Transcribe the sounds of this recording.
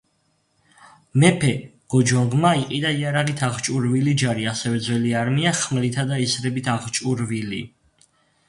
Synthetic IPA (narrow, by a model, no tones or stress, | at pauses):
mɛpʰɛɡ̥ɔd͡ʒɔŋʁmaiqʼid̪aiaɾaʁit̪ʰaʁt͡ʃʼuɾvilid͡ʒaɾiasɛvɛd̪zwɛliaɾmiaχmlit̪ʰad̪aisɾɛbit̪ʰaʁt͡ʃʼuɾvili